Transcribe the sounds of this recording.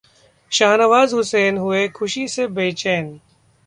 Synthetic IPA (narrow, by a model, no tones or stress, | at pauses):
ʃaːnəʋaːzɦʊseːnɦʊekʰʊʃisebeːt͡ʃeːn